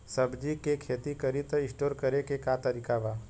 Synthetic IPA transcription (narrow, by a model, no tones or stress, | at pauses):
sɐbd͡ʒikekʰeːt̪ikɐɾit̪ɪ̃sʈoːɾkɐɾekekat̪ɐɾiːkaʋaː